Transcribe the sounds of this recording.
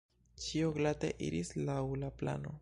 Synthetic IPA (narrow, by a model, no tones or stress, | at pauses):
t͡ʃioɡlatḛʔḭɾislawlapla̰no̞